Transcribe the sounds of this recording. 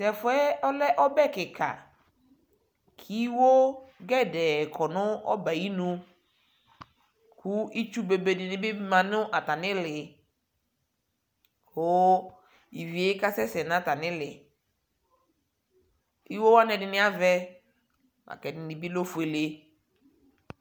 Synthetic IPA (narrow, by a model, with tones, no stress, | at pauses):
sɛ˨fʊ˦ɛ˦ɔ˦lɛ˦ʔɔ˦bɛ˦˨kɪ˨kʰa̰˨ | kʰi˦wo˦ɡɛ˦dɛ˨kʰɔ˨nʊ̃˦ɔ̰˦ba˨i˦nũ˦ | kʊ˦i˦t͡ʃu˦be˨be˨dɪ˨nɪ̃˨˦bɪ˦bmã˨nʊ˦ʔa˨ta˨nɪ̃˦lɪ˨ | kʊ˦ | i˨vi˨e˨˦ka˦sɛ˦sɛ˨nã˨˦ta˨nɪ̃˦lɪ˨ | i˦wo˦wa˦nɛ˨dɪ˨nɪ̃˦a˦vɛ˦ | a̰˨kɛ˨nɪ˨nɪ˨bi˦lo˦fu˨e˨le˦